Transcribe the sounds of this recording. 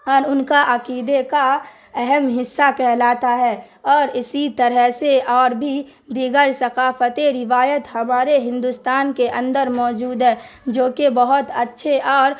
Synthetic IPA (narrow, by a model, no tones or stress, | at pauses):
ɔːɾʊnkaʔɐqiːd̪eka | ɛɦɛmɦɪsːakɛɦlaːt̪aɦɛː | ɔːɾɪsit̪əɾəɦseʔɔːɾbʱi | d̪iɡəɾsɐqaːfət̪eɾɪʋaːjət̪hɐmaːɾeɦɪ̃nd̪ust̪aːnkeʔə̃nd̪əɾmɔːd͡ʒuːd̪ɦɛː | d͡ʒoːkebəɦʊt̪ətːʃʰeʔɔːɾ